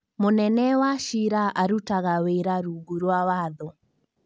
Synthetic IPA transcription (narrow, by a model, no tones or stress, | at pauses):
monɛnɛwaʃiɾaʔaɾutaɣaweɾaɾuːɡuɾwawaðɔ